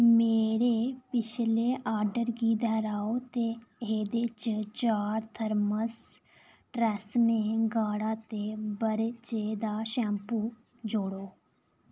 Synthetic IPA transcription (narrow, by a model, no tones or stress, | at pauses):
meːɾepɪt͡ʃʰleʔaːɾɖəɾɡiːd̪əɾaːot̪eɦeːd̪eːt͡ʃt͡ʃaːɾt̪ʰəɾməs | ʈɾɛsmẽːɡaːɽaːt̪ebəɾt͡ʃeːd̪aːʃɛ̃ːmpuː | d͡ʒoːɽoː